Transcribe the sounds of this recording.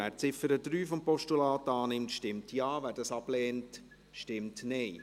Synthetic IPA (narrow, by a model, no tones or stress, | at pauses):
æːɾt͡sɪfəɾədɾyːfɔmpɔʃtulɑːtɑːnɪmtʃtɪmtjɑːʋæːɾdɑsɑblɛːnt | ʃtɪmtnɛɪ